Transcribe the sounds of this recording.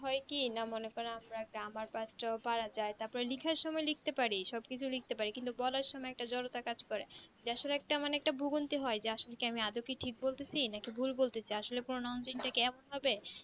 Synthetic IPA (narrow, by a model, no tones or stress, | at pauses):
ɦɔekinamonekɔɾaamɾaɡamaɾpatʈobaɾad͡ʑaet̪aɾpɔɾelikʰaɾʃɔmɔelik̚ʰt̪epaɾiʃɔb̚kit͡ɕʰulik̚t̪epaɾikint̪ubɔlaɾʃɔmɔeɛk̚ʈad͡ʑɔɾot̪akad͡ʑkɔɾed͡ʑeaʃoleɛk̚ʈamaneɛk̚ʈabʱuɡont̪iɦɔed͡ʑeaʃolekiamiad̪okiʈʰik̚bolt̪et͡ɕʰinakibʱulbolt̪et͡ɕʰajaʃolepuɾonaont͡ɕinʈakeɛmonɦɔbe